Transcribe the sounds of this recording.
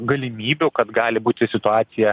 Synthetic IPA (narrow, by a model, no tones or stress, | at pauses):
ɡɐlʲɪmʲiːbʲukɐt̪ɡɑːlʲɪbuːt̪ʲɪsʲɪt̪ʊɑːt̪sʲɪjɛ